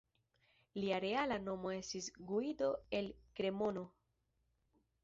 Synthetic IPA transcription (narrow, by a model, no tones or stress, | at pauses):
liaɾe̞alano̞mo̞e̞stisɡuido̞e̞lkɾe̞mo̞no̞